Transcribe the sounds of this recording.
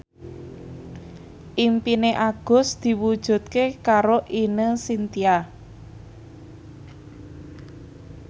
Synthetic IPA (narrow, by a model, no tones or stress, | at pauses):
ʔimpineʔaɡ̥ʊ̤sd̪̥i̤wud̥ʒ̥ṳt̪̚kekaɾoʔinəsint̪ia